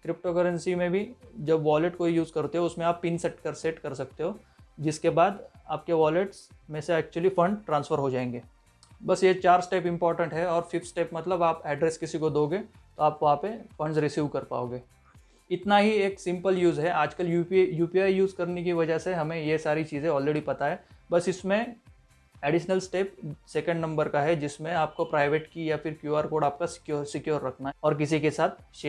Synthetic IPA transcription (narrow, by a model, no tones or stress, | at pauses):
kɾɪp̚ʈokɐɾənsimẽbʱid͡ʒɐbʋaːleʈkoijuːzkɐɾt̪eɦɛʊsmẽaːpːɪnsɛʈkɐɾseʈkɐɾsɐk̚t̪eɦoː | d͡ʒɪskebaːd̪aːp̚keʋaːleʈsmẽseɛːk̚t͡ʃuəlifɐ̃ɳɖʈɾãːnsfəɾɦod͡ʒaːẽːŋɡeː | bɐsjet͡ʃaːɾsʈeːpɪ̃mpɔːɾʈə̃ɳʈɦɛɔːɾfɪfsʈeːpmɐt̪ləbaːpɛːɖɾeskɪsikod̪oːɡe | t̪oaːpʋɐɦãpefɐ̃ɳɖzɾɪsjuːʋkɐɾpa̰ːo̰ːɡeː | ɪt̪naɦieːksɪ̃mpəljuːzɦɛʔaːd͡ʒkəljujuːpiaːijuːzkɐɾnek̬iʋɐd͡ʒəɦseɦɐmẽjesaːɾit͡ʃiːzẽɔːlɾeːɖipɐt̪aɦɛːbɐsɪsmẽ | ɛːɖɪʃnəlsʈeːpseːkə̃ɳɖnɐ̃mbəɾkaɦɛd͡ʒɪsmẽaːp̚kopɾaːɪʋeːʈkijafɪɾkjuːaːɾkoːɽɖaːp̚kasɪ̥kjoːɾsɪkjoːɾːɐkʰnaɔːɾk̬ɪs̬ikesaːt̪̚ʰʃeː